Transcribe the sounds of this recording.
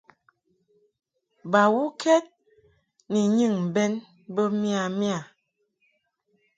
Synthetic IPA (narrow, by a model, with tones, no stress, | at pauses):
ba˨wu˦kʰɛ˦t̚ | ni˨ɲɨ˦˨ŋm˨bɛ˦n | bə˦mi˦a˨mja˨